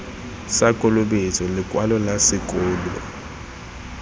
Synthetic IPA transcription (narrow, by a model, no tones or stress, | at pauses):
sakʼɔlʊɓet͡sʼɔlɪkʼwalɔlasɪkʼɔːlɔ̰